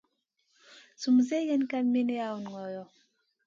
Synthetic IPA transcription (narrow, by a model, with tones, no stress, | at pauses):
su˨mze˦je˦nka˦mi˦ne˦ja˦u˨n˨ŋɔ˨jɔ˨